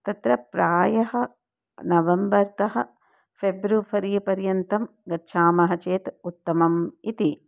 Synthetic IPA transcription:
t̪ɐt̪ɾɐpɾaːjɐɦɐ | nɐʋɐmbɐɾt̪ɐɦɐ̆ | fʰebɾupʰɐɾiːpɐɾjɐnt̪ɐm | ɡɐtːʃʰaːmɐɦɐ̆t͡ʃeːt̪ut̪ːɐmɐmit̪i

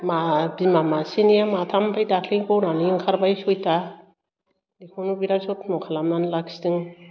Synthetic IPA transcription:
mabimamasinijamatʰambʰajdakʰliŋkɔwnaniiŋkʰaɾbajsɔjtʰa | likʰonubiɾasotmɔkʰalamnanlak̚si̥dɯŋ

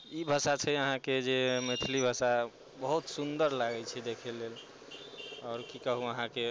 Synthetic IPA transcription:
ibʱəsat͡ʃʰəjəɦãked͡ʒemet̪ʰilibʱəsa | bəɦut̪sund̪əɾlaɡɛt͡ʃʰɛd̪ekʰɛlel | ɔːɾkikəɦuəɦãke

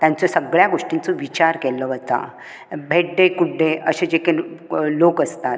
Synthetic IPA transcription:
t̪jãnt͡səsəɡɭjaɡoʂʈint͡soʋit͡ɕaɾkɛləʋət̪a̰ | bʱeʈ̚ɖekuʈɖeəɕẽd͡ʑekelokəst̪at̪̚

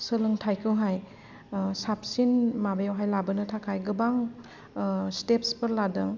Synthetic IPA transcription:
sɯlɯŋtʰajkʰɯwɦaj | sap̚sinmabajawɦajlabɯnɯtʰakʰajɡɯbaŋ | stepspɯɾladɯŋ

